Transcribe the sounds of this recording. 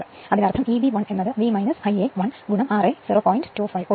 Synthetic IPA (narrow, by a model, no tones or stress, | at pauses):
ɨ | ɐðinɐrt̪ʰɐmiːbiʋɐɳe̞nːɐðɨʋiːmɐjnɐsɐjeʋɐɳɡuɳɐmaːresiːroːpoːjinɖtːuːfɐjʋo